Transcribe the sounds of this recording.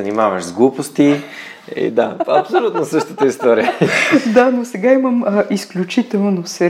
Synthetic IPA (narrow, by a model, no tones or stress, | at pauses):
ɐnimavəʃzɡlˠupost̪i | ḭd̪a̰ɐpsolʲut̪nosəʃt̪ə̥t̪əist̪ɔɾiəd̪anosɛɡaiməmʔisklʲut͡ʃit̪ɛlˠnosɛ